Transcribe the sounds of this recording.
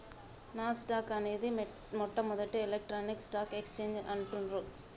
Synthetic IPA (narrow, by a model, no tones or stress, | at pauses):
naːsʈaːkɐneːðɯ | mɔʈːɐmʊðɐʈːɯɛlɐk̚ʈɾoːnɪksʈaːkɛkst͡ʃend͡ʒɐ̰ɳʈɯnɾu